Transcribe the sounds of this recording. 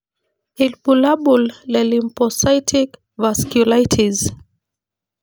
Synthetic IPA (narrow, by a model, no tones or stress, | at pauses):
ilbulaɓulːɛlimpɔsajtʰik | vaskjulajtʰiz